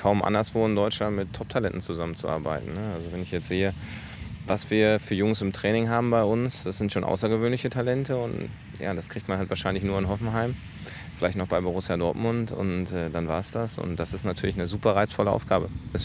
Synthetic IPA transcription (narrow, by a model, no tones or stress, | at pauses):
kʰaʊmʔa̰ndɐsv̥oːɪndɔʏtt͡ʃlantmɪtʰːɔp̚tʰalɛntn̩t͡suzamənt͡suʔa̰ːɐba̰ɪtn̩nəʔalzovɛnɪçjɛt͡stz̥eːə | vasv̥iːɐfyːɐjʊŋsɪmtʁ̥ɛːnɪŋɦaːbm̩baɪʊnsd̥asz̥ɪntʃoːnʔa̰ʊsɐɡəvøːnlɪçətʰalɛntəʊnt | ja̰ːdaskiçtmanhɦaltv̥aːɐʃaɪnlɪçnuːɐɪnɦɔfn̩ɦaɪm | fɪlaɪçtnɔχb̥aɪboʁ̞ʊsjadɔɐtmʊntʊ̰ntʔɛːdanvaːɐsd̥asʊ̰nt̚d̥asɪstnatʰyːɐlɪçnəzuːpɐʁaɪt͡sfɔləʔa̰ʊfɡ̥aːbə̥ɛs